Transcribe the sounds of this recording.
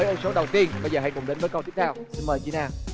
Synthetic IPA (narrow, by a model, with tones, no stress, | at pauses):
ə˨˦ʔʊ˧˩so˨˦ɗə˨˩wt̪i˧ənɓə˧jzəː˨˩ɦa˧jkʊ˨˩ŋ͡mɗe˨˦nvəː˨˦jkə˧t̪ʰi˦˥ət̪ʰɛː˧wsi˧nməː˨˩jt͡ɕi˨˦naː˧˩